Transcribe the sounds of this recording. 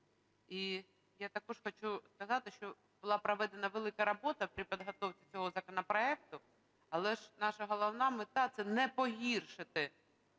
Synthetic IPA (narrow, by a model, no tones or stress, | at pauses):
i | jat̪ɐkɔʒxɔt͡ʃuskɐzɑt̪ɪʃt͡ʃɔ | bʊlˠɑpɾɔʋɛd̪enɐʋelˠɪkɐɾɐbɔt̪ɐpɾʲipʲid̪ɦɔt̪ɔwkʲit͡sʲɔɦɔzɐkɔnɔpɾɔɛk̚t̪ʊ | ɐlˠɛʒnɑʃɐɦɔlˠɔwnɑmɪt̪ɑt̪sɛnɛpɔɦʲirʃɪt̪ɪ